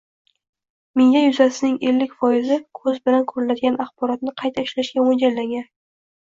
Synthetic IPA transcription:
meŋjajʊzasɪnɪŋe̞lːɪkʲfɒjɪzɪkʰɵzbɪlankʰɵɾɪnad̪ɪɡʲanɑχbɒɾɒt̪̚nɪqʰɑjt̪ʰaɪʃlaʃɡʲawond͡ʒallːaŋɡʲan

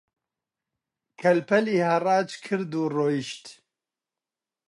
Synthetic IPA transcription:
kʰɐlpɛliːhɐrɑːt͡ʃkʰɨɾd̪uːroːjiʃt̪

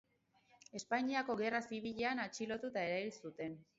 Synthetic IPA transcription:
e̞spaɲiako̞ɣe̞rasiβiʎe̞anat͡ʃilo̞t̪ut̪ae̞ɾaβilsut̪e̞n

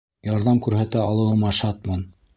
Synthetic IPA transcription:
jɑɾðɑmkʉɾhæt̪æɑlˠɤ̆wɤ̆mɑʃɑt̪̚mɑn

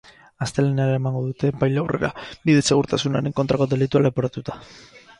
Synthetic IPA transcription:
ast̪e̞leneaɾaemaŋɡo̞ðut̪e̞pajlawre̞̰ɾa̰biðe̞se̞ɣ̞uɾt̪asunaɾe̞ŋko̞nt̪ɾako̞ðe̞lit̪ualepoɾat̪ut̪ḁ

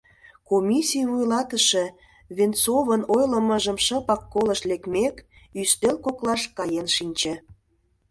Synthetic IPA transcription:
komʲisʲijβujlɑt̪əʃĕ | βent͡soβənojlə̆məʒəmʃə̆pɑkːoləʃlekmek | yst̪elkoklɑʃkɑjenʃinʲt͡ɕĕ

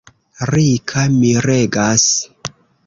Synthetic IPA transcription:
ɾikʰamiɾeɡas

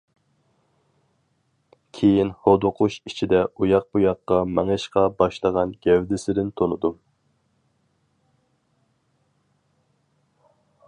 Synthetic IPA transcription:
kʲʰejinhod̪oqʰuʃit͡ʃʰid̪ɛujɑq̚bujɑqːɑmɛŋɨʃqɑbɑʃlˠəʁɑnɡʲɛwd̪ɪsɪd̪ɪnt̪ʰonɨd̪u

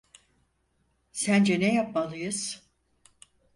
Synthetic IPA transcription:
sænd͡ʒɛnɛjap̚malˠɯjɯz̥

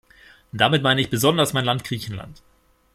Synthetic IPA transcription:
d̥amɪtmaɪnəɪçb̥əzɔndɐsmaɪnlantɡ̥ʁ̥iːçn̩la̰nt

